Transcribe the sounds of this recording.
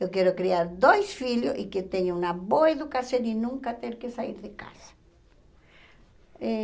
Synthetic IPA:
ewkɛɾʊkɾiaɾd̪ojsfiljoʔiket̪eɲonaβoeðukasjõninũŋkat̪eɾkesaiɾðeka̰sḁ | e

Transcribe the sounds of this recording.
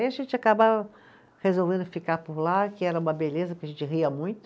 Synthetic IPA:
ẽjɐʒẽnt͡ʃɪakaba | hezowvẽnd̪ʊfikaɾpʊɾlakɪɛɾɐũmɐbelezɐkɪɐʒẽnt͡ʃɪɦiɐmũj̃t̪ʊ

